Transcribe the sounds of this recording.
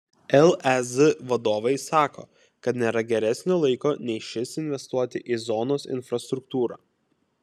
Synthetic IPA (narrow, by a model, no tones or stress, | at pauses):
ɛlˠɛzʋɐd̪oːʋɐɪsɑːko̰ː | kɐt̪nʲeːɾɐɡʲɛɾʲɛsʲnʲoːlˠɐɪkoːnʲɛɪʃʲɪsɪnʲʋʲɛst̪uɔt̪ʲɪʔizɔnoːsɪ̰nʲfɾɐst̪ɾʊkt̪uːɾɑ̰ː